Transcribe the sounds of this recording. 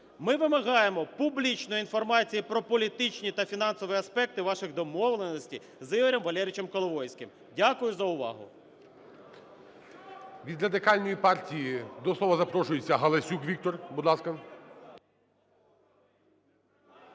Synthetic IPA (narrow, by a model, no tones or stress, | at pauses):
mɪʋɪmɐɦɑjemɔpublʲit͡ʃnʊjin̪fɔrmɑt͡sʲijipɾɔpɔlʲit̪ɪt͡ʃnʲit̪ɐfʲinɑnsɔʋɪɐspɛk̚t̪ɪʋɑʃɪɣd̪ɔmɔʋlˠenɔsʲtʲḭ | zɪɦɔɾʲɔmʋɐlʲɛɾʲɪt͡ʃɛmkɔlˠɔʋɔjsʲkʲɪm | dʲakʊjʊzɐʊʋɑ̰ɦʊ̰ | ʋʲid̪ɾɐd̪ɪkɑlʲnɔjipɑrtʲijid̪ɔsˠɔʋɐzɐpɾɔʃʊjet͡sʲːɐɦɐlˠɐsʲukʋʲik̚t̪ɔrbud̪lˠɑskɐ